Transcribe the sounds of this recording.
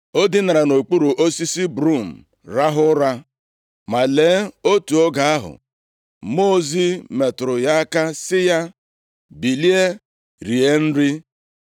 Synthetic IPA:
o˦dɪ˦na˨ɾa˨no˨k͡pu˦ɾu˨ʔo˦si˦si˦bɾu˦˨m̩˨ | ɾa˦ɦʊ˦ɾa˦ | ma˨leː˨˦o˦tu˨o˦ɡa˨a˦ɦʊ̰˨ | mo˦zi˦me˨tʊ˨ɾʊ˨ja˦a˦ka˦sɪ˦ja˦ | bi˨li˦e˦ | ɾi˨e˦n̩˦ɾɪ˦

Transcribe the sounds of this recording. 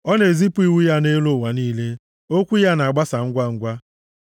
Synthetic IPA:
ɔ˦ne˨zi˦pu˦i˨wu˦ja˦ne˦lo˦˨wa˨niː˦le˦ | o˦kʷu˦ja˦na˨ɡ͡ba˦sa˨ŋ̩˦ɡʷa˦ŋ̩˦ɡʷa˦

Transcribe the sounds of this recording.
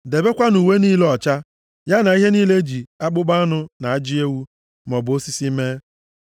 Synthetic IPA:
de˨be˦kʷa˦nu˨we˦niː˦le˦ɔ˨t͡ʃa˦ | ja˦na˨i˦ɦe˦niː˦le˦d͡ʒi˨a˦k͡pʊ˦ɡ͡ba˦a˦nʊ˦na˨a˦d͡ʒi˦e˦wu˦ | mɔ˨bo˦si˦si˦me˦

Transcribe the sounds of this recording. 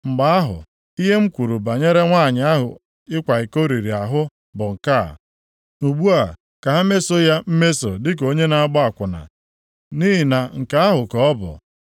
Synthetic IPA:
ŋ͡m̩˨ɡ͡ba˦a˦ɦʊ̰˨ | i˦ɦe˦ŋ͡m̩˦kʷu˨ɾu˨ba˨ɲe˦ɾe˦ŋʷa˦˨ɲɪ˨a˦ɦʊ̰˨ | ɪ˦kʷa˨ɪ˨ko˦ɾi˨ɾi˨a˨ɦʊ˦ | bʊ˨ŋ̩˨ka̰ː˦˨ | nu˨ɡ͡bu˦a˨ | ka˨ɦa˦me˦so˦ja˦m̩˦me˦so̰˨dɪ˦k̬o˦ɲe˦na˨a˦ɡ͡bɔ˦a˨kʷʊ˨na̰˨ | ni˦ɦi˨na˨ŋ̩˨ka˦a˦ɦʊ˨kɔ˨ɔ˦bʊ̰˨

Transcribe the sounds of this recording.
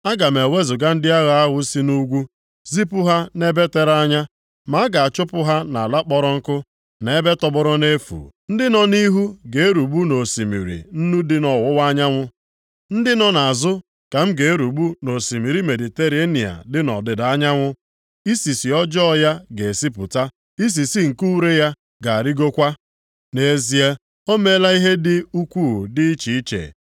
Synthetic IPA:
a˦ɡa˨m˨e˨we˦zʊ˨ɡa˦n̩˦dɪ˦a˦ɣa˨a˦ɣʊ˦si˦nu˦ɡʷu˦ | zi˦pʊ˦ɦa˦ne˦be˦te˦ɾa˦ɲa˦ | ma˦ɡa˨a˨t͡ʃʊ˦pʊ˦ɦa˦na˨a˨la˦k͡pɔ˦ɾʊ˦ŋ̩˦kʊ˦ | ne˨e˦be˦tɔ˨bʊ˦ɾʊ˦ne˦fṵ˨n̩˦dɪ˦nɔ˨ni˦ɦu˦ɡe˨e˦ɾu˨ɡ͡bu˦no˨si˨mḭ˨ɾḭ˨n̩˦nu˦dɪ˦nɔ˨wʊ˦wa˦ɲa˦ŋʷʊ˦ | n̩˦dɪ˦nɔ˨na˨zʊ˦ | ka˨m̩˦ɡe˨e˦ɾu˨ɡ͡bu˦no˨si˨mi˨ɾi˦me˨di˨te˦ɾe˦ni˨a̰˨dɪ˦nɔ̰˨dɪ˨da˦ɲa˦ŋʷʊ˦ | i˦si˨si˨ɔ˦d͡ʒɔ˦˨ja˦ɡe˨si˦p̬ʊ˨ta˦ | i˦s̬i˨si˦ŋ̩˨ku˦ɾe˦ja˦ | ɡa˨a˨ɾɪ˦ɡo˦kʷa˦ | ne˨˦zi˨e˦ | o˦me˦la˦i˦ɦe˦dɪ˦u˦kʷu˦˨dɪ˦i˦t͡ʃi˨i˦t͡ʃḛ˨

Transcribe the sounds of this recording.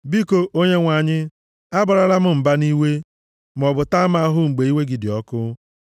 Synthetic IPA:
bi˦ko˨ʔo˦ɲe˦ŋʷa˨ɲɪ˦ | a˦bʊ˨ɾa˨la˦m̩˦m̩˨ba˦ni˦we˦ | m˨ɔ˨bʊ˨ta˦m˦a˦a˦ɦʊ˦ŋ͡m̩˨ɡ͡be˨i˦we˦ɡi˨dɪ˨ɔ˦kʊ˦

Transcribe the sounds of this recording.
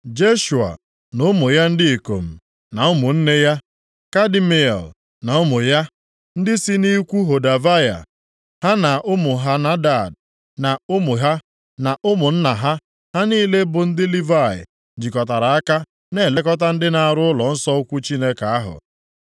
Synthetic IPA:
d͡ʒe˦ʃu˨a̰˨ | nʊ˦mʊ˨ja˦n̩˦dɪ˦i˨ko̰˨m̩˨ | na˨ʊ˦mʊ˨n̩˦ne˦ja˦ | ka˦di˦me˨ḛ˨l | na˨ʊ˦mʊ˨ja˦ | n̩˦dɪ˦si˦ni˦kʷu˦ɦo˨da˨va˦ja̰˨ | ha˦na˨ʔʊ˦mʊ˨ɦa˦na˦da˦˨d̚ | na˨ʊ˦mʊ˨ɦa˦ | na˨ʔʊ˦mʊ˨n̩˦na˨ɦa˦ | ha˦niː˦le˦bʊ˨n̩˦dɪ˦li˦va˦˨ɪ̰˨ | d͡ʒi˨kɔ˨ta˨ɾa˨a˦ka˦ | ne˦˨le˦kɔ˦t̬a˦n̩˦dɪ˦na˨a˨ɾʊ˦ʊ˦lɔ˨n̩˦sɔ˦ʊ˦kʷu˦t͡ʃi˦ne˦ka˨a˦ɦʊ̰˨

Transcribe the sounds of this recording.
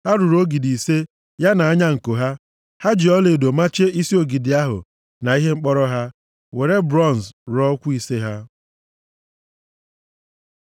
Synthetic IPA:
ha˦ɾʊ˨ɾo˦ɡi˨di˨se˦ | ja˦na˨a˦ɲa˦ŋ̩˨ko˨ɦa˦ | ha˦d͡ʒi˨ɔ˦le˨do˨ma˦t͡ʃe˦i˦si˦o˦ɡi˨dɪ˨a˦ɦʊ̰˨ | na˨i˦ɦe˦ŋ͡m̩˦k͡pɔ˦ɾɔ˦ɦa˦ | we˨ɾe˦bɾɔ˦˨n˨sɾɔ˦kʷu˦i˦se˦ɦa˦

